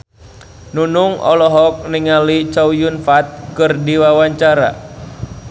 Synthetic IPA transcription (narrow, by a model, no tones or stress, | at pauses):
nunuŋɔ̰lɔɦɔk̚niŋalit͡ʃaujunfat̪̚kɨrdiwawaɲt͡ʃaɾa̰